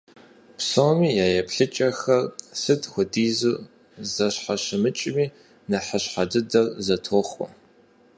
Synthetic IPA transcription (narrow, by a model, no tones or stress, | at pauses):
psomiːjaːjɛpɬɨt͡ʃʼɐxɐrsɨtʰʼxʷʊdiːzuː | zɐɕħaɕɐmɨt͡ʃʼɪmiː | nɐħəɕħadɨdɐrzɐtʰoːχʷɔ̰